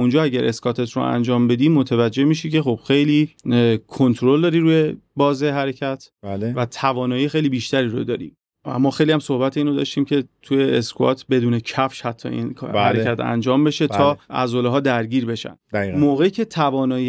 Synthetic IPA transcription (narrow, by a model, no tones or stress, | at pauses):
und͡ʒɒːæɟæɾʔe̞skɒt̪ʰet̪ʰɾo̰æ̰nd͡ʒɒːmbe̞d̪iːmot̪ʰevæd͡ʒːe̞hmiːʃicʰe̞xob̥xe̞jliːkʰo̞nt̪ʰɾold̪ɒːɾiɾuːje̞bɒːzeɦæɾecʰæt̪ʰblvæt̪ʰævɒːnɒːjiːxe̞jlibiʃt̪æɾiːɾo̰d̪ɒ̰ːɾḭ | æ̰mːɒːxejlihæmso̞hbæt̪ʰeiːnod̪ɒ̰ːʃt̪iːmcʰe̞t̪ʰujeːskʰoɒ̰t̪ʰbe̞d̪uːnecʰæfʃhæt̪ʰːɒ̰ḭnhæ̰ɾekʲʰæt̪ʰæ̰nd͡ʒɒːmbe̞ʃe̞t̪ʰɒːæ̰zoleɦɒːd̪æɾɟiːɾbe̞ʃæ̰nd̪moːɣe̞icʰe̞t̪ʰævɒːnɒːji